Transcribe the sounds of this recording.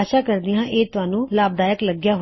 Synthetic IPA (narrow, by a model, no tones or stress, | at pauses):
ʃaːkəɾd̪ɪjãːʔeːt̪ʊãːnũːlaːb̚d̪aːjəkləɡjaːɦ